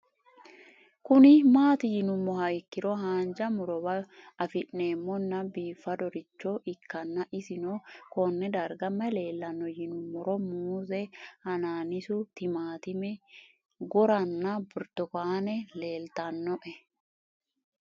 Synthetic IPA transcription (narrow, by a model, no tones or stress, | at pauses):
kʊnɪmaːt̪ɪjɪnʊmːɔɦɐɪkːɪɾɔɦaːnd͡ʒɐmʊɾɔbɐ | ɐfɪʔneːmːɔnːɐbiːfːɐd̪ɔɾɪt͡ʃːoʔɪkːɐnːɐʔɪsɪnokɔnːɛd̪ɐɾɡɐmːɐle̞ːlːɐnːɔjɪnʊmːɔɾɔmuːzɛhɐnaːnɪsʊt̪ɪmaːt̪ɪmɛ | ɡɔɾɐnːɐbʊɾt̪ɔkaːnɛleːlt̪ɐnːɔʔɛ